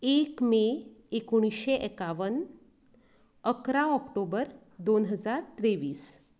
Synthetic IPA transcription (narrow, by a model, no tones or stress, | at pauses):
ekmeekoɽ̃isɕeʔɛkaʋən | əkɾaɔkʈobəɾ | d̪onɦəd͡zaɾt̪ɾeʋiːs